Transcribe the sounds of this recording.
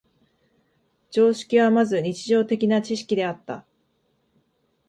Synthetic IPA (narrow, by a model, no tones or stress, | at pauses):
d͡ʑo̞ːɕi̥kʲiβamazɨɲ̟it͡ɕiʑo̞ːt̪e̞kʲinat͡ɕiɕi̥kʲid̪e̞at̪ːa̰